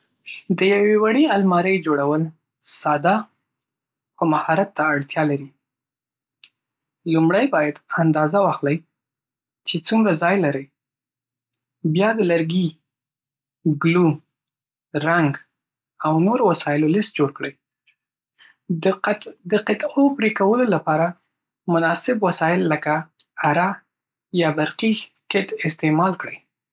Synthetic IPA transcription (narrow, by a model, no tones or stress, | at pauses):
d̪əjawewaɽialmɑɾəjd͡ʒoɽawəl | sɑd̪ɑ | xomahɑɾat̪ːaːɽt̪jɑlaɾi | lumɽajbɑjad̪and̪ɑzawɑxlaj | t͡ʃet͡sumɾazɑjlaɾəj | bjɑd̪əlaɾɡi | ɡlum | ɾaŋɡ | awnoɾowasɑjɪlolɪst̪̚d͡ʒoɽkɽəj | d̪əqɪt̪opɾikawəlolapɑɾa | mʊnɑsɪbwasɑjɪlːəkaːɾa | jɑbaɾqi | kɪʈɪst̪emɑlkɽəj